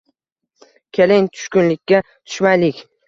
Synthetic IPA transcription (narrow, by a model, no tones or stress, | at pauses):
kʲʰelɪŋt̪ʰʊ̥ʃkʲʊnlɪkʲːa | t̪ʰʊ̥ʃmajlɪkʲ